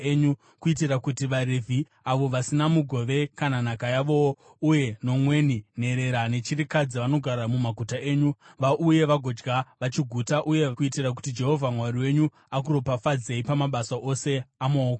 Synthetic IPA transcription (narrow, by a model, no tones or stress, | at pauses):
eɲu | kuit̬irakutiʋaɾevʱi | aʋo̞ʋasinamuɡʱo̞ʋe̞kananakajaʋo̞ | uje̞no̞mwe̞nine̞ɾe̞ɾane̞t͡ʃirikad͡ziʋano̞ɡʱaɾamumaɡʱutaeːɲuʋaʔuje̞ʋaɡʱo̞d͡ʒɡaʋat͡ʃiɡʱutaʔuje̞kuitirak̬u̥tid͡ʒe̞ɦo̞vʱamwariwe̞ɲu | ak̬uro̞pafad͡ze̞ipamaɓasaʔo̞se̞amooko